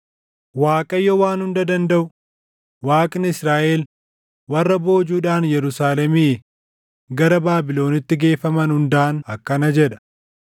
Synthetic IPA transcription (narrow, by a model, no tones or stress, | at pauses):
waːkʼɐjːɔwaːnhʊnd̪ɐd̪ɐnd̪ɐʔʊ | waːkʼnɪsɾaːʔeːl | wɐrːɐbo̞ːd͡ʒuːᶑaːnjɛɾʊsaːlɛmiː | ɡɐɾɐbaːbɪlo̞ːnɪt̪ːɪɡe̞ːfɐmɐnhʊnd̪aːnɐkːɐnɐd͡ʒɛᶑɐ̥